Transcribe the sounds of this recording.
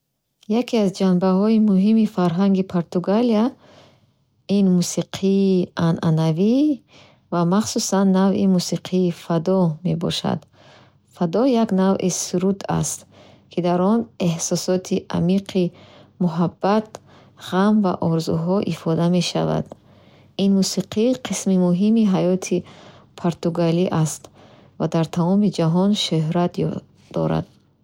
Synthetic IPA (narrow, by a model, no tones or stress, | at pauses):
jakʰiazd͡ʒanbaɦɔimuɦimifaɾɦaŋɡipʰoɾt̪uɡalia | inmusiqʰiːanʔanavi | vamaχsusanːavimusiqʰiːfad̪ɔme̞bɔ̰ʃa̰d̪̥ | fad̪ɔjaɡnavʔisuɾud̪a̰st̪ | kʰid̪aɾɔne̞hsɔsɔt̪ʰiʔa̰miqʰimuɦabːat̪ | ʁamva̰ʔɔɾzṵɦɔʔifɔd̪ame̞ʃa̰va̰d̪ | inmusiqʰiqʰismimuɦimiɦajɔt̪ʰipʰoɾt̪uɡaliʔast̪ | vad̪aɾt̪ʰamɔmid͡ʒaɦɔnʃøɦɾat̪j | d̪̥ɔ̰ɾa̰d̪̥̚